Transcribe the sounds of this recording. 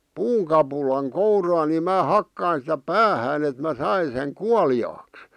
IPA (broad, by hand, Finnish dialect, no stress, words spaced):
puːŋkɑpulɑŋ kourɑːni mæː hɑkːɑin sĭtæ pæːhæːn et mæ̞ sɑin seŋ kuɑliɑːks